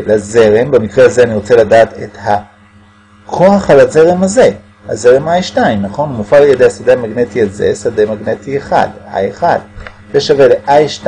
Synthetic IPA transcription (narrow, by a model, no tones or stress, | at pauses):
laze̞ʁembemikʁehazeaniʁot͡seladaːtetha | kʰoaχalaze̞ʁemaze̞ | ha̰ze̞ʁemajʃtaimnaχo̞nmufalajed̪ejasadeamaɡne̞tialzḛsademaɡne̞tieχa̰da̰jeχad | zeʃave̞leʔajʃt